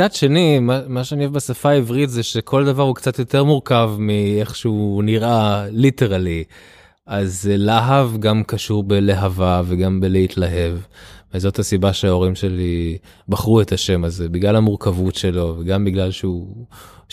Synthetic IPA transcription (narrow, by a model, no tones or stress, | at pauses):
t͡sadʃe̞nimamaʃeanievbasafaːivʁitzeʃekʰo̞ld̪avaʁhukt͡sat̪jo̞t̪e̞ʁmuʁkavmieχʃeuniʁʔaliteʁali | azlaɦavɡamkaʃuʁbeleɦavaveɡambeleitlaɦe̞vvezo̞thasibaʃeao̞ʁimʃe̞li | baχʁuet̪aʃe̞mazebiɡlalamuʁkavutʃe̞lo̞veɡambiɡlalʃeu